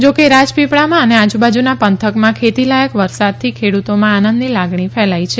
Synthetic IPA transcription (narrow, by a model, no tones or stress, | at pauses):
d͡ʒokeɾad͡ʒpipɭamãənead͡ʒubad͡ʒunapənt̪ʰəkmãkʰet̪ilajəkʋəɾsad̪̚t̪ʰikʰeɽut̪omãanənd̪nilaɡɳifɛlajt͡ʃʰe